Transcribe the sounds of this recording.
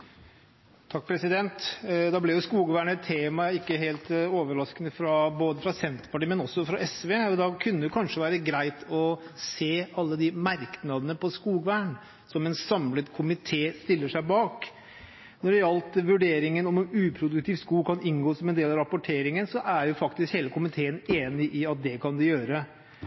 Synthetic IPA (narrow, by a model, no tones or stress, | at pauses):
t̪ʰɑk̚ːpʰɾɛsɪd̪ɛnt̪d̪ɑblɛjʊskuːɡəʋæːɳɛt̪ʰːeːmɑɪkːəɦeːlt̪oːʋəɾɑskənəfɾɑboːd̪əfɾɑsɛnt̪ə̥ɾpʰɑʈiːmɛnɔsːɔfɾɑʔɛsʋeɔd̪ɑkʰʉnːəd̪ʊkʰɑnʂəʋæːɾəɡɾæɪt̪ʰɔseːɑlːəd̪ɪmɑɾknɑd̪ənəpʰɔskuːɡʋæːɳ | sɔmɛnsɑmlət̪kʰʊmɪt̪ʰeːst̪ɪlːəʂæɪbɑːk | nɔɖɛjɑlt̪ʋʉɖeːɾɪŋənɔmɛnʉːpʰɾʊd̪ʉk̚t̪ʰɪːʋskuːkʰɑnɪnɡoːsɔmɛnd̪eːlɑʋɾɑpʊʈʰeːɾɪŋənsɔʔæɾjʊfɑkt̪ɪskheːləkʰʊmɪt̪ʰeːəneːnɪʔɪɑt̪̚d̪ɛkʰɑnd̪ʉjøːɾə